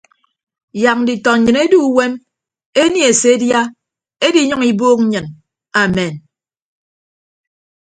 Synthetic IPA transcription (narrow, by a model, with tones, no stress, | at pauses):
ja˨k̚n̩˦di˨tɔ˨ɲ̩˨ɲɨ˨ne˦du˦we˦m | e˦ni˦e˨se˨˦dja˦ | e˦di˨˦ɲɔ˦ŋi˨boː˦k̚ɲ̩˦ɲɨ˨n | a˨me˨n